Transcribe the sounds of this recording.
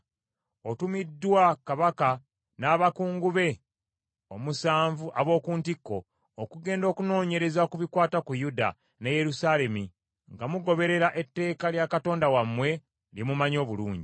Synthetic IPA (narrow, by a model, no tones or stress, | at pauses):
otumidːwakaβaka | naːβakuːŋɡuβe̞ | omusaːɱvuʔaβo̞ːkuːntikːo̞ː | kuɡe̞ːndo̞ːkuno̞ːɲe̞ɾe̞zaokuβikwaːtakujuda̰ | neje̞ɾusale̞mi | ŋɡamuɡo̞βe̞ɾe̞ɾaʔe̞tːe̞ːkaljakato̞ːndawamːwe̞ | limumaɲo̞ːβuluːɲɟi